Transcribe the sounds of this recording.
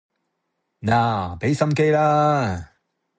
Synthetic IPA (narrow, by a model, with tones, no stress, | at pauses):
naː˨˩pe˨˥jsɐ˥˧mk̬e˧jlaː˦˥